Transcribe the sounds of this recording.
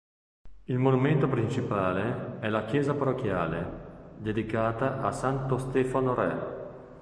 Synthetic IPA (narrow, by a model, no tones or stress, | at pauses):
ilmonument̪opɾint͡ʃipaːleɛlak̟jɛːzaparok̟jaːled̪ed̪ikaːt̪aʔa̰sant̪ost̪ɛːfanoɾɛ̰